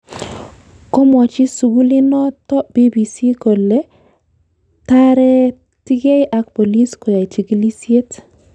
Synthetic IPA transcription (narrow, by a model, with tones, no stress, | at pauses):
ko˦mɔ˨t͡ʃɪ˦su˨ɡu˦li˦nɔ˦tɔ˦b̥i˦bi˨si˦ko˨le˦ | ta˦ɾɛ˦ | ti˦ɡe˦ɪ˦ʔa˦kpo˨li˦sko˨ja˨t͡ʃi˨ɡi˦li˦sje˦t